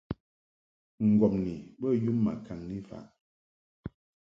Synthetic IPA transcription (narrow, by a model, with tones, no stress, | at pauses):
ŋ̩˨ɡɔ˨mni˨bə˦ju˦mːa̰˨kʰa˨ŋni˦fa̰˨ʔ